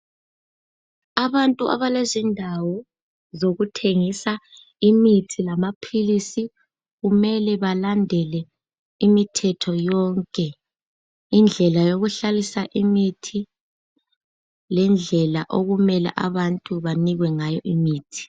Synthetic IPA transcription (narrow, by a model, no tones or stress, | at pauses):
aβantʼuʔa̰βalezindʱawɔ | zoɣutʰeŋisa | imitʰilamapʰilisi | ɣumɛlɛβalandʱɛlɛ | imitʰɛtʰɔjɔŋkʼɛ | ind͡ɮʱɛlajoɣuɬalisaʔimitʰi | lɛnd͡ɮʱɛlaʔoɣumɛla̰ʔaβantʼuβaniɣwɛŋajɔʔimiːtʰi̥